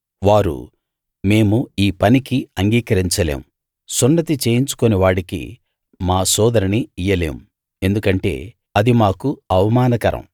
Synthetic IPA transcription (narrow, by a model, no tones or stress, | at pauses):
ʋaːɾṵ | me̞ːmuiːpɐnikiɐŋɡiːkɐɾiɲt͡ʃɐlḛːm | sunːɐt̪it͡ʃe̞ːjiɲt͡ʃu̥koniʋaːɽikḭ | maːsɔːd̪ɐɾɐniijːɐle̞̰ːm | end̪ukɐɳʈe̞̰ː | ɐd̪imaːkuɐʋɐmaːnɐkɐɾɐ̰̃m